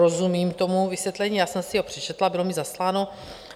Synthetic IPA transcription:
ozumiːmt̪o̞muvisjɛt̪lɛɲiːjaːsɛmsɪɦo̞pr̝̥ɛt͡ʃɛt̪labɪlomizaslaːno̞

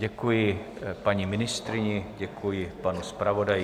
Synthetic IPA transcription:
ɟɛkujɪ | paɲimɪnɪst̪ɾɪɲɪɟɛkʰujɪpanuspɾavodaj

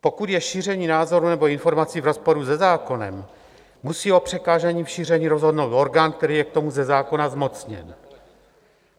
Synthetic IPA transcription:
po̞kut̪jɛʃiːr̝ɛɲiːnaːzo̞ɾunɛbo̞ɪnfo̞ɾmat͡siːvɾo̞spo̞ɾuzɛzaːko̞nɛ̰mː | usiːo̞pr̝̥ɛkaːʒaɲiːfʃiːr̝ɛɲiːɾo̞zɦodnowt̪o̞ɾɡaːnk̚t̪ɛɾiːjɛk̚t̪o̞muzɛzaːko̞nazmo̞t͡sɲɛ̰n

